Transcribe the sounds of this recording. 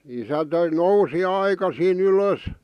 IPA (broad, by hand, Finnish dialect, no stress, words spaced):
isæ nousi ɑikɑsiːn yløs